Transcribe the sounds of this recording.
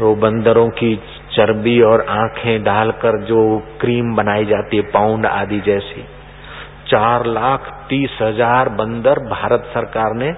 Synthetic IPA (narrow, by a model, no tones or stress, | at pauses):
obə̃nd̪əɾõki | t͡ʃəɾbiɔːɾãːkʰẽɖaːlkəɾd͡ʒoːkɾiːmbənaːid͡ʒaːt̪iɦɛpaːʊɳɖa̰ːd̪id͡ʒɛːsi | t͡ʃaːɾlaːkʰt̪iːsɦəd͡ʒaːɾbə̃nd̪əɾbʱaːɾət̪səɾkaːɾne